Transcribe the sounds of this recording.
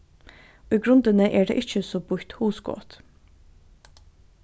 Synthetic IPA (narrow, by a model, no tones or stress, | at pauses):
oːiːɡɾʉnd̪ənəʔæːɖḛːʔɪçəsoːbʊɾt̪huːsɡo̰ːt̪